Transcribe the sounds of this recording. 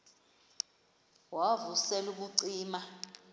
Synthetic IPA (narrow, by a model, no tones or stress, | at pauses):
wavusɛluɓ̬uǀiːma